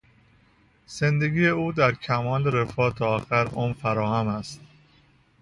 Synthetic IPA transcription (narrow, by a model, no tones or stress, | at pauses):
z̥end̪eɡijeuːd̪æɾcʰæmɒːleɾefɒːt̪ʰɒːxæɾomfæɾɒːhæmæst̪